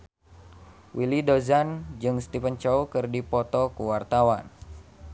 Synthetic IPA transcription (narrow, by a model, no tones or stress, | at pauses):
wʔilidozand͡ʒɨŋst̪ifənt͡ʃɔwkɨrdipɔt̪ɔkuwart̪awan